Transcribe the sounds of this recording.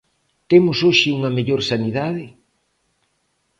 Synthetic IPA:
t̪emʊsoʃɪuŋɐmeʎoɾsanið̞að̞ɪ

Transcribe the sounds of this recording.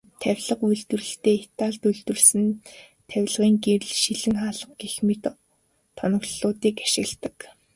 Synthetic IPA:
t̪ʰæwʲɮə̆qujɮt̪ɘ̆rɘ̆ɬt̪eːet̪aːɮt̪uɮt̪ɘ̆rsɘ̆n | t̪ʰæwʲɮʁiːŋɡerɘ̆ɮʃiɮɘ̆ŋχaːɮə̆qɡexmɘ̆t̪ | t̪ʰːɔnɞ̆ɣɮʊːt̪iːkaʃɪ̆ɣɮt̪ə̥̆k

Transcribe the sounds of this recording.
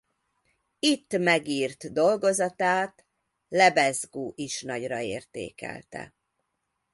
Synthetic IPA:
it̪ːmɛɡiːrt̪d̪o̞lɡo̞zɒt̪aːt̪ | lɛbɛzɡuːʔiʃnɒɟrɒeːrt̪ḛːkɛ̰lt̪ɛ̰

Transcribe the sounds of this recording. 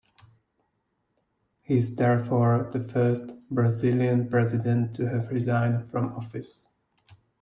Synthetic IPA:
hiɪzðɛɹfɔɹðɨfɜ˞stbɹazɪlˠjə̃npɹ̥ɛzɪdɨ̃ntʰːɨɨvɹɪzãɪ̃nd̥fɹʌ̃mɔfɪs

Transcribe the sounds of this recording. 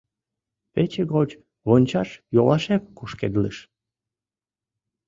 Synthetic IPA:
pet͡ɕeɣot͡ɕ | βonʲt͡ɕɑʃjolɑʃemkuʃked̪ləʃ

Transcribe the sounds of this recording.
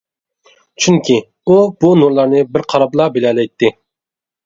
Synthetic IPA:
t͡ʃʰyŋkʲʰi | ub̥unuɾlˠɑɾnɨbɪɾqʰɑɾɑblˠɑbelɛlɛjt̪ʰːɪ

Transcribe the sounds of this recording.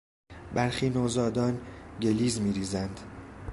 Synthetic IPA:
bæɾxiːnoːzɒːd̪ɒːnɟe̞liːzmiːɾiːzænd̪̥

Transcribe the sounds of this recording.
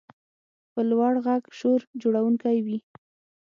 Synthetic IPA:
pəlwɑɽɣaɡʃoɾd͡ʒoɽawuŋkajwi

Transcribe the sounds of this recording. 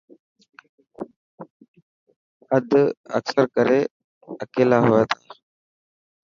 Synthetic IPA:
əd̪ʱə̰ksəɾkəɾeː | əkeːlaːɦʊːaːt̪ʰaː

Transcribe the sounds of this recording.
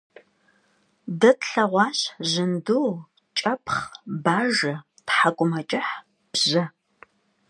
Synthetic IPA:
dɐtɬɐʁʷɑːɕʑɨnduː | t͡ʃʼɐpʰχbaːʒɐ | tħakʷʼʊmɐt͡ʃʼɪħ | ʑɐ

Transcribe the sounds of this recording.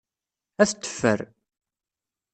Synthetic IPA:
æθt̪ːə̥fːə̰ɾ

